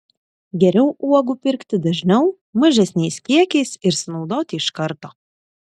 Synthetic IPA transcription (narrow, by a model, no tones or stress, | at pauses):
ɡʲɛɾʲɛʊʔuɔɡupʲɪɾʲkt̪ʲɪd̪ɐʒʲnʲɛʊ | mɐʒʲɛsʲnʲɛɪskʲiɛkʲɛɪsɪɾsʲnɒʊd̪oːt̪ʲɪɪʃkɐɾt̪oː